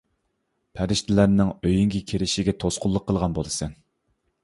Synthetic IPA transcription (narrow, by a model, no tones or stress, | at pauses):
pʰæɾɪʃt̪ʰɪlæɾnɪŋøjyŋkʲikʲʰeɾɪʃɪɡʲɛt̪ʰosqʊlˠːəqʰːəlˠʁɑnbolˠɨsɛn